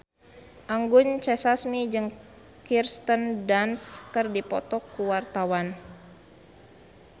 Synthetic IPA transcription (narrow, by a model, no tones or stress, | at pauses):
ʔaŋɡuɲt͡ʃɛsasmid͡ʒɨŋ | kirst̪əndanskɨrdipɔt̪ɔkːuwart̪awan